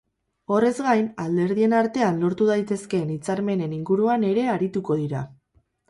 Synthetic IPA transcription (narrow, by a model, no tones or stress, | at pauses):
o̞re̞zɡajnald̪e̞ɾðie̞naɾt̪e̞anlo̞ɾt̪uðajt̪e̞ske̞nit͡saɾme̞ne̞niŋɡuɾuane̞ɾe̞aɾit̪uko̞ð̞iɾa